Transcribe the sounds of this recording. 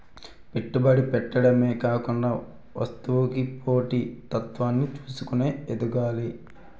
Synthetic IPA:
piʈːubɐɽipɛʈːɐɽɐmeːkaːkuɳɖaː | ʋɐ̰st̪uʋukipoːʈit̪ɐt̪ʋaːnːit͡ʃuːsukune̞ːed̪uɡaːli

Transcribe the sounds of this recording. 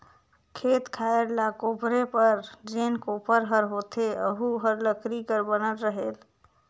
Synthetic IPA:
kʰet̪kʰaeɾlakopɾepəɾd͡ʒenkopəɾɦəɾɦot̪eə̰ɦuɦəɾləkɾikəɾbənəlɾəɦel

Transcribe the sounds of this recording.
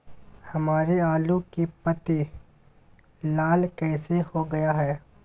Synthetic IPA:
hɐmaːɾeaːlũkipɐt̪i | laːlkɛːsehoɡɐjaɦɛː

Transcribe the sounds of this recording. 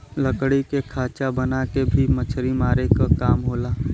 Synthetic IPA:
lɐkɽikekʰaːt͡ʃabɐnakebʱimɐt͡ʃʰɾimaːɾekakaːmɦoːlaː

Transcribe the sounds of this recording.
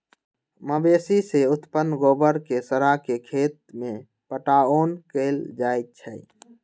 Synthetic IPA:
məbeːsiseʊt̪pənɡoːbəɾkesəɾakekʰeːt̪̚mẽ | pəʈaːoːnkeld͡ʒaːet̪̚t͡ʃʰəj

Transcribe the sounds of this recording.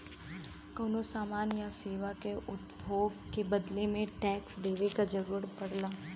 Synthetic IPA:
koːnosaːmaːnjaseːʋakeʔʊt̪bʱoːɡkebɐd̪lemẽʈɛːksd̪eːʋekad͡ʒəɾuːɾpɐɽlaː

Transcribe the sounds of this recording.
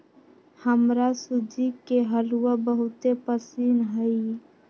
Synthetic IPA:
həmɾasʊd͡ʒikeɦəluwabəɦʊt̪epəsiːnɦəi

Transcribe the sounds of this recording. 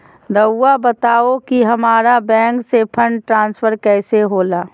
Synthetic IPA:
d̪ɐwːabət̪aːokiɦɐmaːɾabɛ̃ːŋksepʰə̃ɳɖʈɾãːnspʰəɾkɛːseɦoːlaː

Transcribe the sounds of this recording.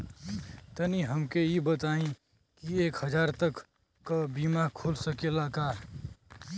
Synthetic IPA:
t̪əniɦəmkeibət̪aːĩ | kieːkɦəd͡ʒaːɾt̪əkː | abimakʰoːlsəkelakaː

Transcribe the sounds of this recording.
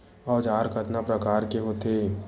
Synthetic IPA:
ɔːd͡ʒaːɾkʰət̪napɾəkaːɾkeɦot̪eː

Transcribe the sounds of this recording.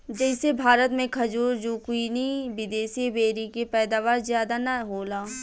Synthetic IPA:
d͡ʒɛːɪsebʱaːɾət̪mẽkʰɐd͡ʒuːɾd͡ʒuːkwiːniʋɪd̪eːsibeːɾikepɛːd̪aːʋaːɾzjaːd̪anaɦoːlaː

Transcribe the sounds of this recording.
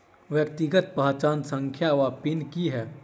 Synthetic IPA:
ʋjəkt̪iɡət̪̚pəɦt͡ʃaːnsə̃ŋkʰjaʋaːpinkiɦɛː

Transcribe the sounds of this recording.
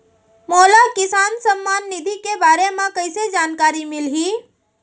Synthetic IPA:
molakisansəmːanːid̪ʱikebaːɾemãkəɪsed͡ʒankaɾimilɦi

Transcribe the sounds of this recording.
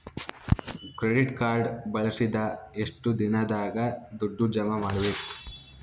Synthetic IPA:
kɾeɖiʈkaːɾɖbɐɭɐsid̪ɐeʂʈud̪inɐd̪aːɡɐd̪uɖːud͡ʒɐmɐmaːɽɐʋeːk

